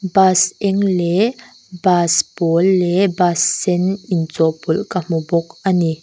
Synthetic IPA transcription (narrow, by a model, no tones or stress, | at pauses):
basʔɛŋlɛ | baspɔlːɛbasːɛnʔint͡sɔʔpulkam̥ubɔk̚ʔani